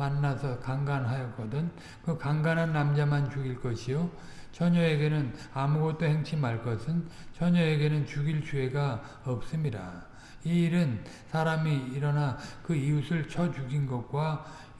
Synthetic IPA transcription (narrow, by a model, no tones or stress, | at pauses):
manːasʰʌkaŋɡanɦajʌk͈ʌdɯn | kɯkaŋɡanɦanːamd͡ʑamant͡ɕuɡiɭk͈ʌɕʰijo | t͡ɕʌɲʌe̞ɡe̞nɯnamuɡʌt̚t͈ohe̞ŋt͡ɕʰimaɭk͈ʌsʰɯnt͡ɕʌɲʌe̞ɡe̞nɯnt͡ɕuɡiɭt͡ɕue̞ɡa | ʌp̚s͈ɯmɲida | iːɾɯn | sʰaɾamiːɾʌnakɯiusʰɯɭt͡ɕʰʌd͡ʑuɡinɡʌk̚k͈wa